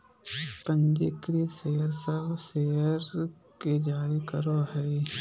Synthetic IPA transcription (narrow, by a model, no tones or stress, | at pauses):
pə̃ɲd͡ʒekɾiseːəɾsəbseːəɾ | ked͡ʒaːɾikəɾoɦɛi